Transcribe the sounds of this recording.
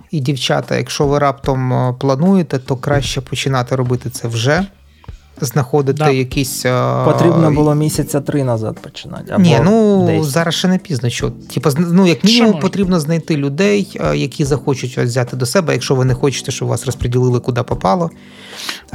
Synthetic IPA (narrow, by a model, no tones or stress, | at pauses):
idʲiwt͡ʃɑ̰t̪ɐ̰jɐ̰kʃɔʋɪɾɑpt̪ɔmplˠɐnujet̪ɛt̪ɔkɾɑʃt͡ʃɛpʰɔt͡ʃɪnɑt̪ɛɾɔbɪt̪ɪt̪sɛwʒɛ | znɐxɔd̪ɪt̪ɛjɐkisʲpɔt̪ɾʲibnɔbʊlˠɔmʲisʲɐt͡sʲɐt̪ɾɪnɐzɑ̰t̪̚pɔ̥t͡ʃɪnɑ̰tʲɐ̰nʲinuzɑɾɐsʃɛnɛpʲiznɔt͡ʃɔ̰tʲʰipɐznujɐkmʲinʲimumpɔt̪ɾʲibnɔznɐjt̪ɪlʲʊd̪ɛjjɐkʲizɐxɔt͡ʃʊtʲɐ̰ʋzʲat̪ɪd̪ɔsɛbɛjɐkʃɔʋɪnɛxɔt͡ʃɪ̥t̪ɛʃt͡ʃɔbʋɑ̰srɔspɾedʲilˠɪlˠɪkʊd̪ɑpɔpɑlˠɔ